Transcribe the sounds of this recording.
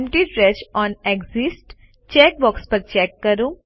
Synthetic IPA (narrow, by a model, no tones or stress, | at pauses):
mʈiʈɾɛːʃɔːneɡzɪsʈ | t͡ʃɛːk̚bɔːkspɐɾt͡ʃɛːkːɐɾũː